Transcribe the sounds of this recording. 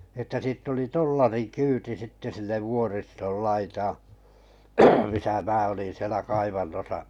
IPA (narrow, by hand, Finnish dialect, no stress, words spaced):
ĕtːæ siːtː oli tolːɑrikyːti sitːe silːe ʋuoristol lɑitɑː misæ mæː olin sielæ kɑiʋɑnːosɑʔ